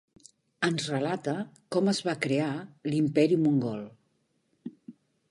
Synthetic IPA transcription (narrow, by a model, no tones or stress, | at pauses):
ənzrəlat̪əkɔməzβakɾealimpɛɾimuŋɡɔlˠ